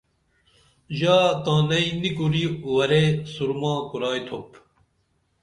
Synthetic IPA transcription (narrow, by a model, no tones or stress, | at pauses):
ʑaːt̪ãːnɐinikuɾiwɐɾesuɾmãːkuɾaːjt̪ʰop